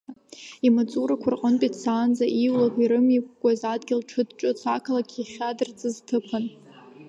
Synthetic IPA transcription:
imat͡sʼuɾakʷʰarqʼəntʼitʰsaːnd͡zaʔiwlakʼiɾɨmik̚ʷʼɡʷʼazadɡʲɪlʈ͡ʂʰɨdʈ͡ʂʼɨt͡sʷʰakʰalakʲʰiχʲadɨrt͡sʼɨztʰɨpʰɨn

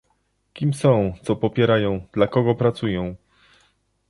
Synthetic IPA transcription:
kʲimsɔ̃w̃t̪sɔpɔpʲjɛɾajɔ̃w̃d̪̥lakɔɡɔpɾat̪sujɔ̃w̃

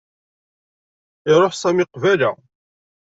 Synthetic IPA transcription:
ɪɾˤoħsæmɪqvælæ̰

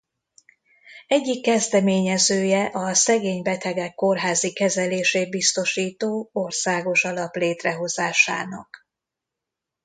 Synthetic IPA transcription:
ɛɟːikːɛzd̪ɛmeːɲɛzøːjɛʔɒsɛɡeːɲbɛt̪ɛɡɛkːo̞rɦaːzikɛzɛleːʃeːt̪̚bist̪o̞ʃiːt̪oːorsaːɡo̞ʃɒlɒpleːt̪rɛɦo̞zaːʃa̰ːnɒ̰k

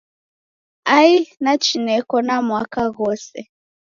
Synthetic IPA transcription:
ainat͡ʃinɛkɔnamwakaɣɔsɛ

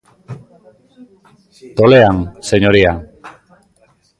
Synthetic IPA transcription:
t̪o̞le̞anse̞ɲo̞ɾia

